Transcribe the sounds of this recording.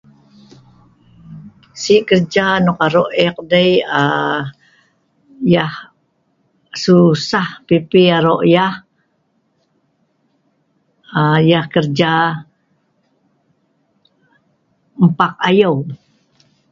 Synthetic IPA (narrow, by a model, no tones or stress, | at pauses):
siʔkərd͡ʒanɔkaɾoʔɛk̚dəja | jah | susahpipiaɾoʔjah | əjahkərd͡ʒa | m̩pak̚ajow